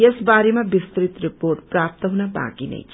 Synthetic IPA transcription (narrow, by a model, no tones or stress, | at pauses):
esbaɾemabist̪ɾit̪riporʈprap̚t̪ʌɦunaba̰kinʌ̰jʰ